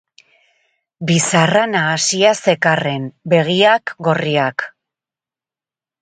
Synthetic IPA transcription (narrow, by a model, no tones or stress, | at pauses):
bisaranaːsiase̞kare̞mbe̞ɣ̞iakɡo̞riak